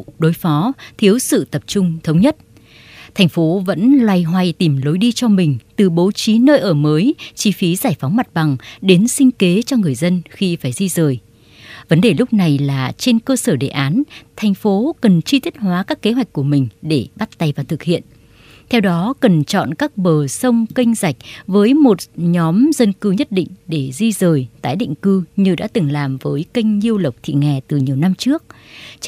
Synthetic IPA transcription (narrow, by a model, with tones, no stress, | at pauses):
ɗo˨˦jfɔ˨˦t̪ʰi˨˦əwsɨ̰˧˨t̪ə˨˩p̚t͡ɕʊ˧ŋ͡mt̪ʰə˨˦wŋ͡mɲə˦˥t̚ | t̪ʰa˨˩jŋ̟fo˨˦və̰˧˥nlwa˧˩jɦwa˨˧˩jt̪i˧˩mlo˨˦jɗi˧t͡ɕɔ˧mï˨˩ŋ̟t̪ɨ˨˩ɓo˨˦t͡ɕi˨˦nəː˧jʔəː˧˩məː˨˦jt͡ɕi˧fi˨˦zaː˧˩jfa˨˦wŋ͡mma˨˩t̚ɓa˨˩ŋɗe˨˦nsï˧ŋ̟ke˨˦t͡ɕɔ˧ŋɨ˨˩əjzə˧nxi˧faː˧˩jzi˧zəː˨˩j | və˨˦nɗe˨˩lʊ˦˥k͡p̚na˨˩jlaː˨˩t͡ɕe˧nkəː˧səː˧˩ɗḛ˧˨˩ʔaː˨˦nt̪ʰa˨˩jŋ̟fo˨˦kə˨˩nt͡ɕi˧t̪ʰi˦˥t̚hwaː˨˦kaː˦˥kːe˨˦ɦwa˨˩jk̟̚ku˧˩əmï˨˩ŋ̟ɗe˧˩ɓa˦˥t̚t̪a˧jvaː˨˩t̪ʰɨ˨˩k̚hḭ˧˨ən | t̪ʰɛ˧wɗɔ˨˦kə˨˩nt͡ɕɔ̰˧˨nkaː˦˥k̚ɓəː˨˩sə˧wŋ͡mkï˧ŋ̟za˨˩jk̟̚vəː˨˦jmo˨˩t̚ɲɔ˨˦mzə˧nkɨ˧ɲə˦˥t̚ɗḭ˧˨ŋ̟ɗe˧˩zi˧zəː˨˩jt̪aː˨˦jɗḭ˧˨ŋ̟kɨ˧ɲɨ˧ɗa̰ː˧˥t̪ɨ˨˩ŋlaː˨˩mvəː˨˦jki˧jŋ̟ɲi˧əwlə˨˩wk͡p̚t̪ʰḭ˧˨ŋɛ˨˩t̪ɨ˨˩ɲi˨˩əwna˧mt͡ɕɨ˦˥ək̚